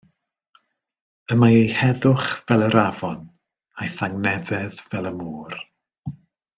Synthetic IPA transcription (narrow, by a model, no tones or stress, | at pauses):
əmaejhɛðʊχvɛlˠəɾavɔn | ajθaŋnɛvɛðvɛlˠəmuːr